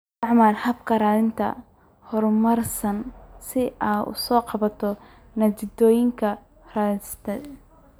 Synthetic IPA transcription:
ɑʕmaːlhɐbkʰɐɾaːlɪnt̪ʰɐ̰ | hɔrmɐrsɐnsɪaːʊ̰sɔːqɑβɐt̪ʰɔ | nɐt͡ʃɪd̪ɔːjɪŋkʰɐ | raːlɪst̪ʰɛ

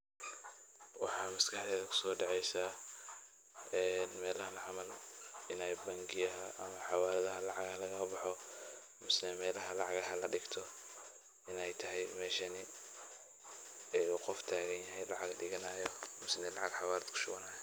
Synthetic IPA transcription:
wɑħɑːmɐskʰɑħd̪ɛːðɐkʰʊ̥sɔːɖɑʕɛjsaː | ɛːnmɛːlɐhɐlɐʕɑmɐlɪnɛjbɐŋɡɪjɐɦɐʔɐmɐħɑwaːlɐðɐɦɐlɑʕɑɣɐɐlɐɣɐbɑħɔ | mɪsnɛmɛːlɐɦɐlɑʕɑɣɐɦɐlɐɖɪɡt̪ʰɔ | ɪnɛjt̪ʰɐɦɛjmɛːʃɐnɪ | ɛjuqɔft̪ʰaːɣɐnjɐɦɛjlɑʕɑɡɖɪɣɐnaːjɔmɪsnɛlɑʕɑɡħɑwaːlɐd̪̥kʰʊ̥ʃʊɣɐnaːjɔ

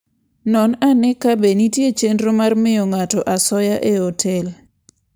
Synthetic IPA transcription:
nɔnanɛkabenitjet͡ʃendɾomarmɪjɔŋatɔʔasɔjaʔeɔtʰɛl

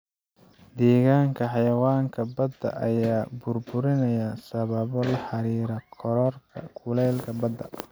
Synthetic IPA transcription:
d̪ɛːɣaːŋkʰɐħɑjɐwaːŋkʰɐbɐd̪ːɐ̰ʔɐ̰jaːbʊrbʊɾɪnɐjɐsɐβɐβɔlɐħɑɾiːɾɐkʰɔɾɔrkʰɐ̰kʰʊlɛːlkʰɐbɐd̪ːɐ̰

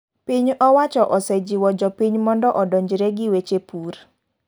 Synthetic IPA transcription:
piɲɔwat͡ʃɔʔɔsɛd͡ʒiwɔd͡ʒɔpiɲmɔndɔʔɔdɔɲd͡ʒɾeɡɪwet͡ʃepur

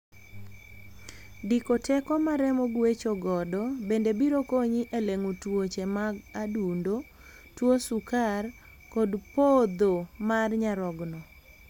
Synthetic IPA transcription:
dikotʰɛkɔmaɾɛmoɡwet͡ʃoɡɔdɔbendebiɾokoɲiʔeleŋutwot͡ʃemaɡadundo | twosukar | kɔdpod̪omarɲaɾɔɡnɔ

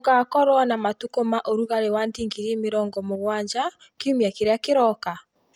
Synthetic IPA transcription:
ɡaːkɔɾwanamatukomaʔoɾuɣaɾewandiːŋɡiɾemeɾɔŋɡɔmoɣwaɲd͡ʒa | keumiakeɾeakeɾɔka

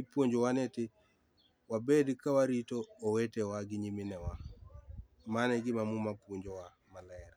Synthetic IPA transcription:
ipoɲd͡ʒowaneti | wabedikawaɾitoːwetewaɡiɲiminɛwa | manɛɡimamumapuɲd͡ʒowa | malɛɾa

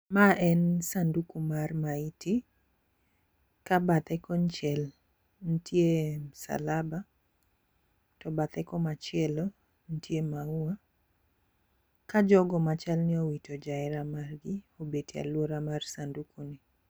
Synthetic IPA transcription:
maʔɛnsandukumarmaiti | kabat̪ɛkɔnt͡ʃɛl | n̩tjem̩sa̰laba | tɔbat̪ɛkɔmat͡ʃɪɛlo | n̩tjemaua | kad͡ʒɔɡɔmat͡ʃalnɪowitod͡ʒaɪɾamarɡɪobetia̰lwoɾamarsandukunɪ

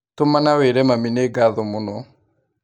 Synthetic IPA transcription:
tomanaweɾɛmamineɡaðɔmonɔ

